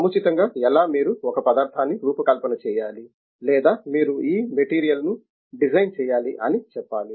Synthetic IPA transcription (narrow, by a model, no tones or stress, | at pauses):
ɐmut͡ʃit̪ɐŋɡaːɛlaːmiːɾuɔkɐpɐd̪aːɾt̪ʰaːnːiɾuːpɐkɐlpɐnɐt͡ʃɛːjaːli | lɛːd̪aːmiːɾuiːmeʈiːɾijɐlnu | ɖid͡ʒɐjnt͡ʃɛːjaːliʔɐ̰nit͡ʃɛpːaːli